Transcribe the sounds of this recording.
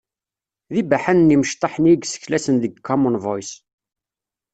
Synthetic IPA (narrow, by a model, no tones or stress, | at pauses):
ðibæħænniməʃt̪ˤːɑħənjɡsə̥çlæsənðəɡkʰːɔmənvɔjs